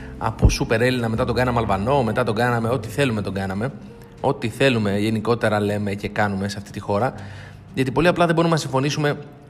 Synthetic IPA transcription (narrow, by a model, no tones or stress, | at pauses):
ɐ̰pusupe̞ɾe̞linɐmet̪ɐt̪o̞ɡɐnɐmeɐlvɐno̞me̞t̪ɐt̪o̞ɡɐnɐme̞o̞t̪iθe̞lume̞t̪o̞ɡɐnɐme̞ | o̞t̪iθe̞lume̞ʝe̞niko̞t̪e̞ɾɐle̞me̞ce̞kɐnume̞seɐft̪i̥t̪ixo̞ɾɐ | ʝɐt̪ipo̞liɐplɐðe̞bo̞ɾumenɐsiɱfo̞nisume̞